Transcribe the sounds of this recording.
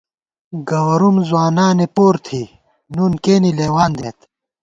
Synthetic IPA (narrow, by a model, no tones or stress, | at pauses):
ɡɐwɾumzwaːnaːnepoːɾt̪ʰiː | nunkeːnileːwaːnd̪ḛːt̪